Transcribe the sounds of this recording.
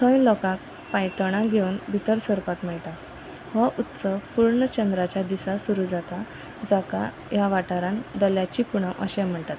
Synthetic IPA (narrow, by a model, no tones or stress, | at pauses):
t̪ʰə̃jlɔkãk̚ | pajʈ̪əɽ̃ãɡʱewnbʱit̪əɾsəɾpat̪mɛɭʈa | ʋaʔut̪səpuɾɳət͡ɕənd̪ɾat͡ɕjad̪isasuɾud͡zat̪a | d͡zaka̰ | jaʋaʈaɾãnd̪əljat͡ɕipuɽ̃ə̃ʔəɕɛ̃m̤əɳt̪at̪